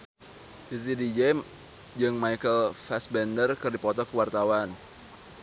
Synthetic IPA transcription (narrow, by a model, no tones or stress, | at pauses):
dis̬idid͡ʒe | d͡ʒɨŋmajkəlfɛsbɛndərkɨrdipɔt̪ɔkəwart̪awan